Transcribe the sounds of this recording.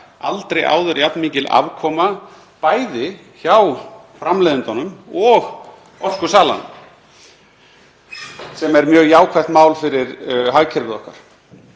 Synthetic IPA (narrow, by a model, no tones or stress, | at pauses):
a̰lt̪ɾeja̰ːwðʏɾjap̪nmiːcɪla̰vkʰɔːma | paːjðɪ | çawfɾamlɛːðʏnt̪anʏmɔɣ | ɔskʏsaːla̰nʏ̰m | sɛmɛɾmjœːɣjaːwkʰvaht̪maːwlfɪɾɪɾɦaɣcʰɛɾvɪðɔhka̰ɾ̥